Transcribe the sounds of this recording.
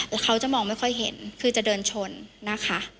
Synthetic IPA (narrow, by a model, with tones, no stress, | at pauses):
kʰa˦˥wt͡ɕa˨˩mɔː˧ŋma˥˩jkʰɔ˥˩jɦe˩˦nkʰɯː˧t͡ɕa˨˩dɤː˧nt͡ɕʰo˧nːa˦˥kʰa˦˥ʔ